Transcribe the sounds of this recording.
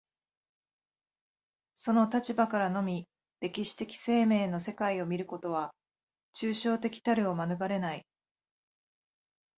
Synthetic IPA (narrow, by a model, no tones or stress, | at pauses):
so̞no̞t̪at͡ɕibakaɾano̞mʲi | ɾe̞kʲiɕi̥t̪e̞kʲi̥se̞ːme̞ːno̞se̞kaio̞mʲiɾɯ̟ko̞t̪o̞β̞a | t͡ɕɨːɕo̞ːt̪e̞kʲi̥t̪aɾɯ̟o̞manɯ̟ɡaɾe̞nai